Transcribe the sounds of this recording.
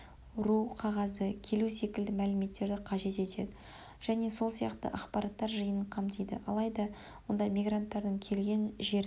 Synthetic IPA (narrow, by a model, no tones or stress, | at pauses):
ɾuqʰɑʁɑzəkʲʰe̞luse̞kʲɪld̪ɪmælɪme̞t̪ːe̞ɾd̪ɪqʰɑʒe̞t̪e̞t̪e̞̰d̪ɪ | ʒ̥æne̞so̞lˠsijɑqt̪ə̰ʔɑqpɑɾɑt̪ːɑɾʒəjəəɴqʰɑmt̪ʰijd̪ɪ̰ʔɑ̰lˠɑjd̪ɑ | wo̞nd̪ɑmijɡrant̪ːɑɾd̪əɴkʲʰe̞lɡʲe̞nʒe̞ɾ